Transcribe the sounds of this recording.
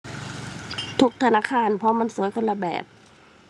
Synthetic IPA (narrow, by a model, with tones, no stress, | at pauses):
t̪ʰu˧k̚t̪ʰa˧naː˧˨kʰaː˧˥˨npʰɔ˧ma˧˥˨nsuː˨˦jkʰɤ˧˥˨nla˧bɛ̰ː˨˩p̚